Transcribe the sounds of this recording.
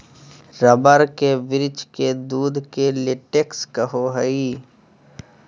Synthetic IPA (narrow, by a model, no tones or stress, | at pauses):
ɾəbəɾkeʋɪɾɪt͡ʃked̪uːd̪ʱkelɪʈekskəɦoɦəi